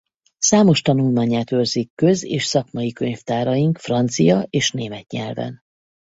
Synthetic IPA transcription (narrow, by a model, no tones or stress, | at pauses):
saːmo̞ʃt̪ɒnulmaːɲaːt̪ørzikːø̞zeːʃsɒkmɒjikøɲft̪aːɾɒjiŋkfrɒnt̪sijɒeːʃneːmɛt̪ɲɛ̰lvɛ̰n